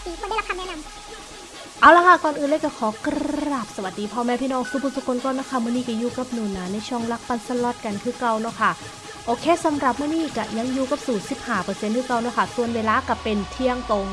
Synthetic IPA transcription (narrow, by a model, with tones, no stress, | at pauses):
i˧kɔː˥˩da˥˩˨la˧˥kʰa˧mɛː˥˩na˧m | ʔaː˧˩wla˧˥kʰa˥˩kɔː˧nʔɯː˨˩nleː˧˥˩ka˧˩kʰɔː˨˦kɾa˨˩p̚sa˧wa˨˩t̪̚diː˧˩pʰɔː˧mɛː˧pʰiː˧˥˨nɔː˧ŋsu˧˩bʰu˧nsu˧kʰːo˧˦nkɔː˧˩na˧˥˩kʰa˧˥˩mɯː˧˥˨niː˥˩ka˧˩juː˧˩ka˨˩p̚nuː˨˩nːaː˨˦na˧˩jt͡ɕʰɔ˧˩ŋla˧˦˥k̚pa˧˨nsa˧˩lɔ˧˩t̪̚ka˧nkʰɯː˧˥˨ka˧wnɔ˧˩˨kʰa˥˩ | ʔoː˧kʰeː˧˥˨sa˨˦mɾa˨˩p̚mɯ˥˩əniː˧˥˩ka˧˩ja˧˩ŋjuː˧˩ka˧˩p̚suː˨˩nsi˨˩p̚haː˧˩pɤː˧se˧nkʰɯː˧˥˩ka˧wnɔː˧˥˩kʰa˥˩su˧˨ənweː˧laː˧˥ka˧˩pe˧nt̪ʰi˧˥˩əŋt̪o˧ŋ